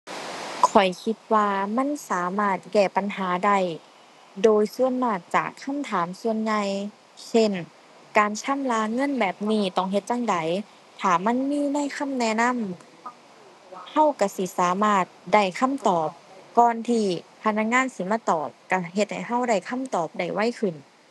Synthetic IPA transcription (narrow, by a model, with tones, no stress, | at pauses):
kʰɔ˨˩jkʰi˧˦t̪̚waː˧ma˧˥˨nsaː˨˦maː˧˩t̪̚kɛː˧˩pa˨nhaː˨˦da˧˩j | doː˨˧jsu˧˨ənmaː˧˩t̪̚t͡ɕa̰ː˨˩kʰːa˧˥˨mt̪ʰaː˨˦msu˧ənɲa˧j | se˧˥˨n | kaː˨nsʰa˧˥˨mlaː˧ŋɤ˧˥˨nbɛː˨˩p̚niː˧˩t̪ɔ˧˩ŋɦe˧t̪̚t͡ɕa˧ŋda˨˦j | t̪ʰaː˨˩ma˧˥˨nmiː˧˥˨na˧˥˨jkʰa˧˥˨mnɛː˧˥˨na˧˥˨m | ha˧˥˨wka˧˩si˧˦saː˨˦maː˧˩t̪̚da˧˩jkʰa˧˥˨mt̪ɔː˨˩p̚kɔː˧˩nt̪ʰiː˧pʰa˧˥na˧˥k̚ŋaː˧˥˨nsi˧˦maː˧˥˨t̪ɔː˨˩p̚ka˧˩ɦe˧˦t̪̚ha̰˨˩jɦa˧˥˩wda˧˩jkʰa˧˥˨mt̪ɔː˨˩p̚da˧˩jwa˧˥˨jkʰɯ˨˩n